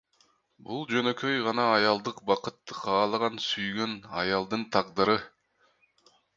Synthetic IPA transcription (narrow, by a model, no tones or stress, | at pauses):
bulˠd͡ʒø̞nø̞kø̞jʁɑnɑːjɑlˠd̪ɯqbɑqɯt̪ːɯqʰɑːlˠɯʁɑnsyjɡø̞nɑ̰jɑlˠd̪ɯnt̪ʰɑqd̪ɯɾɯ